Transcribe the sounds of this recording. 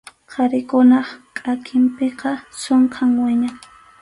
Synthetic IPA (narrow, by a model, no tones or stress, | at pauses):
qʰɑɾɪkʊnɑχkʼakʰɪmpeqɑsoɴqʰɑŋwɪɲaŋ